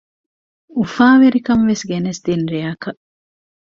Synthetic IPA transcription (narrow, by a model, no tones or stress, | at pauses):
ufaːʋeɾikɐmʋesɡenesd̪̥inɾiɐkɐʔ